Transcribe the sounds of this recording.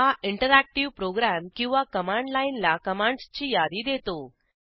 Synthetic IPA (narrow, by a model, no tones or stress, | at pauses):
ɦaʔiɳʈəɾæk̚ʈiʋpɾoɡɾæmkĩw̃ʋakəmãɳɖlainlakəmãɳɖst͡ɕiːjad̪iːd̪et̪o